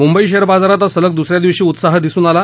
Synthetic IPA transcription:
mumbəiɕeɾbad͡zaɾat̪asələk̚d̪usɾjad̪iʋɕiːut̪saɦd̪isuːnala

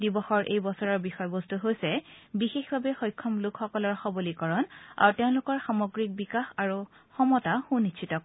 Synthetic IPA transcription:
dibɔxɔɹʔḛjbɔsɔɹɔɹbixɔjbɔstuɦojsɛbixexbʱabɛxɔjkʰːɔmlʊkxɔkɔlɔɹxɔbolikɔɹɔna̰ɹutɛʊ̃lʊkɔɹxamoɡɹik̚bikaxaɹuxɔmɔtaxunitt͡ʃʰitɔk

